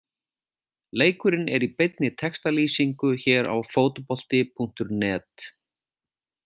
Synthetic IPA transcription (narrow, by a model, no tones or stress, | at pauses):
leːjkʏɾɪnɛɾipejt̪nɪt̪ʰɛkst̪aliːsiŋkʏçɛːɾa̰wfoːwt̪opɔl̥t̪ɪpʰuŋ̥t̪ʏɾnɛːt̪